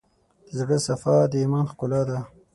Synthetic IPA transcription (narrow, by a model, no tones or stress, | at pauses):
d̪əzɡəsafɑd̪əimɑːnxkʊlɑd̪a